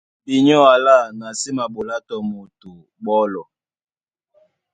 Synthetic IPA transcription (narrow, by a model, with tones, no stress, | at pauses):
ɓi˨ɲɔ˦a˨la˦˨na˨si˦ma˨ɓo˨la˦tɔ˨mo˨tu˨ | ɓɔ˦lɔ˨